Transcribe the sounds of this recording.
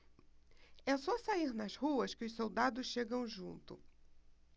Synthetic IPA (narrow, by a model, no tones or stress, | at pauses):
ɛsɔsaiɾnɐzhuɐskɪʊʃsowd̪ad̪ʊsʃeɡɐ̃w̃ʒṵ̃nt̪ʊ̰